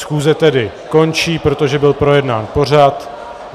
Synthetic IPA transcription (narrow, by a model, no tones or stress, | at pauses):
sxuːzɛt̪ɛdɪ | ko̞nt͡ʃiːpɾo̞t̪o̞ʒɛbɪlpɾo̞jɛdnaːnpo̞r̝at̪